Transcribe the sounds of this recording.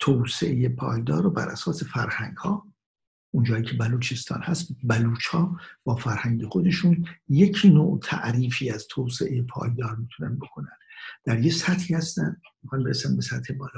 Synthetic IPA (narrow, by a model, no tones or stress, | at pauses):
t̪ʰowsḛʔejepʰɒ̰ːjd̪ɒːɾobæ̰ɾʔæsɒːse̞fæɾhæŋɡhɒː | ʔund͡ʒɒːjiːcʰe̞bæluːt͡ʃʰest̪ʰɒ̰ːnhæst̪bæluːt͡ʃʰhɒːb̥ɒːfæɾhæŋɟexo̞d̪e̞ʃunje̞cʰinoːʔt̪ʰæ̰ʔɾiːfiːæz̥t̪ʰoːsḛʔejepʰɒ̰ːjd̪ɒːɾmiːt̪ʰunæ̰nd̪bo̞kʰo̞nænd̪̥æɾjesæt̪hiːhæst̪æn | mxɑnbe̞ɾesænbe̞sæt̪hebɒːlː